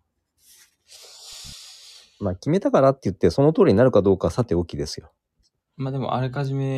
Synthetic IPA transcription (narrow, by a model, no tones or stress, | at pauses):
makʲime̞t̪akaɾat̪ːe̞jɯ̟t̪ːe̞so̞no̞t̪oːɾiɲinaɾɯ̟kad̪o̞ːkasat̪e̞o̞kʲid̪esɨjo̞ | maːd̪e̞mo̰ʔa̰ɾekaʑime